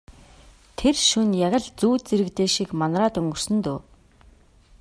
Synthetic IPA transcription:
t̪ʰerʃunjaɣʲə̆ɮt͡suːt͡seɾɘ̆kt̪eːʃikmanraːt̪ɵŋɡɵ̆r̥sɘ̆nt̪oː

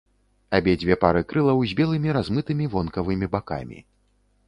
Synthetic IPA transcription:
abʲɛd͡zʲvʲɛpaɾɨkɾɨlˠɐwzʲbʲɛlˠɨmʲiɾazmɨt̪ɨmʲivɔnkɐvɨmʲibaka̰mʲḭ

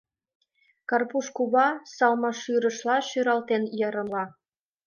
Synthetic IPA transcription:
kɑrpuʃkuβɑsɑlmɑʃyɾə̆ʃlɑʃyɾɑlt̪enjɤ̆ɾɤ̆nlɑ

